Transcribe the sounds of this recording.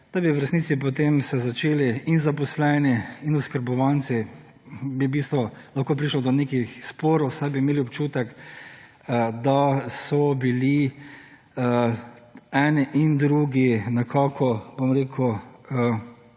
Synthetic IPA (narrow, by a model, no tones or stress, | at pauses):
d̪̥abiʋɾɛst̪niːt̪sip̬ɔt̪emsɛzat͡ʃeːliinzapɔslɛːniinʊskəɾbɔʋant̪si | bibist̪ʋɔlaxkoːp̬ɾiʃlɔd̪ɔneːkixspoːɾɔwsajbiːmeːliɔpt͡ʃuːt̪ɛk | əd̪asɔbili | ə | ɛnɛʔind̪ɾuɡinakʰakʰɔbomɾeːkʰuə